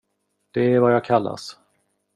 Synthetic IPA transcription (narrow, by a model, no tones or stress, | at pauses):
d̪̥ɛæɾvajɑːɡ̚kʰalːa̰s